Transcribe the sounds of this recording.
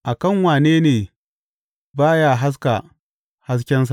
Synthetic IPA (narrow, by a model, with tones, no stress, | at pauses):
ʔa˨kɐ˦˨ŋwaː˨neː˦neː˨ | baː˦jaː˦ɦa˦s̬ka˨ | ha˦s̬kʲɛ˦ns̬a˨